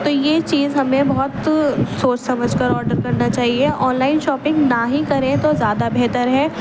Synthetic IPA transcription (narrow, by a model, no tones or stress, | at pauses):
t̪ojeːt͡ʃiːzɦɐmẽbɔɦɔt̪soːt͡ʃsɐməd͡ʒʱkɐɾɔːɾɖəɾkɐɾnat͡ʃaːɦieʔɔːnlaːɪnʃɔːpɪ̃ŋɡnaɦikɐɾẽt̪ozjaːd̪abɛɦt̪əɾɦɛː